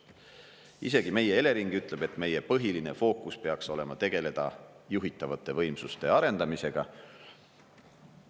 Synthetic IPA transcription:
ḭse̞ɡ̥ime̞jee̞le̞ɾiŋɡ̥yt̪ˑle̞b̥e̞t̪ːˑme̞je̞pɤɦiline̞fo̞ːkːˑuspe̞ɑkso̞le̞mɑt̪e̞ɡ̥e̞le̞d̪̥ɑjuɦit̪ːˑɑvɑt̪ːˑe̞vɤ̞jmsust̪e̞ɑɾe̞nd̪̥ɑmise̞ɡ̥ɑ

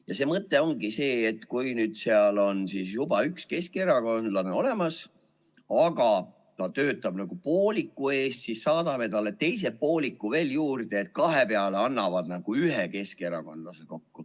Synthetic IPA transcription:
jɑse̞ːmɤt̪ːˑe̞o̞ŋɡ̥ise̞ːet̪kujnyːd̪̥seɑlo̞nsiːsjubɑykske̞skeɾɑko̞nd̪lɑneo̞le̞mɑs | ɑɡ̥ɑ | t̪ɑt̪ø̞ːt̪ːˑɑb̥nɑɡ̥upoːlikːˑue̞ːst̪sisːɑːd̪̥ɑme̞t̪ɑle̞t̪e̞js̬e̞po̞ːlikːuve̞ːljuːrd̪̥eːt̪̚kɑɦe̞peɑle̞ɑnːɑvɑd̪nɑɡ̥uyɦeke̞skeɾɑ̰ko̞nd̪lɑseko̞kːu

